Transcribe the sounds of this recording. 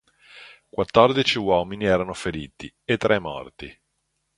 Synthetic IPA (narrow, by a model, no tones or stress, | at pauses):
kwat̪ːɔrd̪it͡ʃiwɔːminiɛːɾanofeɾiːt̪ḭet̪ːɾɛmːɔ̰rt̪i